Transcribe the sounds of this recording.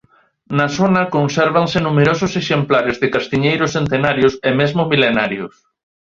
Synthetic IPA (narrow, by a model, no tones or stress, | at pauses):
nɐsonɐkonsɛɾβansɪnumeɾosʊseʃemplaɾezðɪkast̪iɲejɾʊsθent̪enaɾjʊsemezmʊmilenaɾjʊs